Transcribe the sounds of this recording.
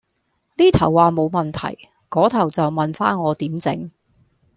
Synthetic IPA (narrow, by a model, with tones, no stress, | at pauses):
liː˥t̪ʰɐ˨˩wːaː˨˧mo˨˧wmɐ˨˩nt̪ʰɐ̰˨˩j | kɔː˨˥t̪ʰɐ˨˩wt͡sɐ˨wmɐ˨nfaː˥nŋɔː˨˧t̪iː˨˥mt͡sɪ̰˨˥ŋ